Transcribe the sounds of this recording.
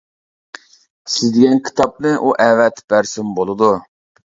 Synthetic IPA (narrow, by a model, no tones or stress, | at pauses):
sɪzd̪ɪɡʲɛnkʲʰi̥t̪ʰɑp̚nɨʔuʔɛvɛt̪b̥æɾsɪmbolˠɨd̪u